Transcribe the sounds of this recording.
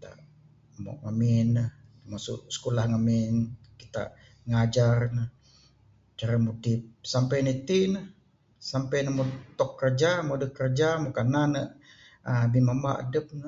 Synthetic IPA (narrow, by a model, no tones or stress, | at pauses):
t̪a̰ʔ | mo̰ʔŋamɪnːəht̪əmasṵʔsə̥kolahŋamɪnkit̪a̰ʔ | ŋad͡ʒarnəh | t͡ʃaɾamodip̚sampajnəit̪inəh | sampajnəmot̪ɔkːərd͡ʒamodəkərd͡ʒamokananəʔ | bimamaʔa̰dəp̚nə